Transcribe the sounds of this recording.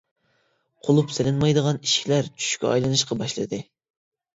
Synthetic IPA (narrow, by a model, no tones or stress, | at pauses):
qʰolˠupsɪlɪnmɑjd̪əʁɑniʃkʲʰilæɾt͡ʃʰy̥ʃkʲɛ̰ɑ̰jlˠɨnɨʃqɑbɑʃlˠɨ̰d̪ɨ